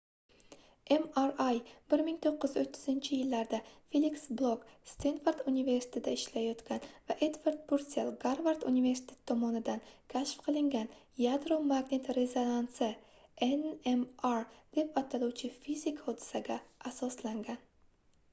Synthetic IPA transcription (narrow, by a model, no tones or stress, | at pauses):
emaɾajbɪɾmɪŋt̪ʰoqːɨzot̪ʰːɪ̥zɪnt͡ʃʰɪjɪlːaɾd̪afeliksblˠokst̪enfoɾd̪unive̞ɾsɪ̥t̪ʰet̪aɪʃlajɒt̪kʲanvaʔed̪vaɾd̪̚pʰoɾt̪selˠɡaɾvaɾd̪unive̞ɾsɪ̥t̪ʰʲe̞̥t̪ʰːɒmɒnɪd̪ankʲʰaʃfqʰɨlˠɪŋɡʲan | jad̪ɾomaɡne̞t̪ɾe̞zonansɪ | enemaɾd̪̥e̞pat̪ʰaluwt͡ʃʰɪfizɪkʰhod̪ɪ̥saɡʲaasɒslaŋɡʲan